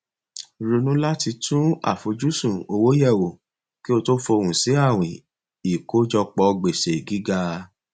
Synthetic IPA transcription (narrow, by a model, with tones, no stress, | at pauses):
ɾu˧nũ˦la˦ti˧tʰũ˦a̰˦˨fo˨d͡ʒu˦sũ˨o˧wo˦jɛ˦˨wo˨ | ki˦o˧to˦fɔ˧o˧wũ˨si˨˦a˦˨w̃ĩ˨ | i˨ko˨˦d͡ʒɔ˧k͡pɔ˧ɡ͡be˨se˨ɡi˨˦ɡa˧